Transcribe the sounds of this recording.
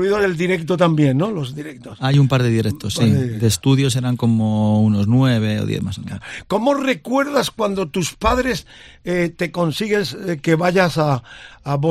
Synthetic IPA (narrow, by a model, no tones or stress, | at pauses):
βiðoɾeld̪iɾe̞k̚t̪ot̪ambje̞nːo̞lo̞zðiɾe̞k̚t̪osajumpaɾðeðiɾek̚t̪osːid̪est̪uðjo̞s̬eɾaŋko̞mounoznweβeo̰ðjḛθma̰sako̞mo̞re̞kwe̞ɾðaskwand̪o̞t̪uspaðɾe̞s | et̪e̞ko̞nsiɣe̞ske̞βaʝasaːβo